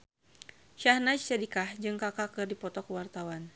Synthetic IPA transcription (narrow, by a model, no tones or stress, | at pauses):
ʃahnat͡ʃt͡ʃadikahd͡ʒɨŋkakakɨrdipɔt̪ɔkəwart̪awan